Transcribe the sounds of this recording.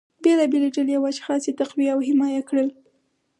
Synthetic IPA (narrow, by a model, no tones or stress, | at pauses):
belɑbeleʈəljawaʃxɑset̪aqwiawɦɪmɑjakɽəl